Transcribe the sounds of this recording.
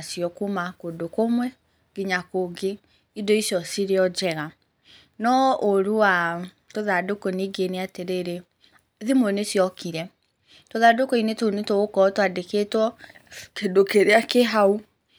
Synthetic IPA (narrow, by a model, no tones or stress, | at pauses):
asjɔkumakodokomwɛ | ɡiɲakoɡe | idɔisjɔsiɾeɔd͡ʒɛɣa | nɔoɾuwa | toðadokoniɡeneateɾeɾe | ðimonesjɔkiɾɛ | toðadokɔinetonetoɣokɔtoadeketwɔkedokeɾeakeɦau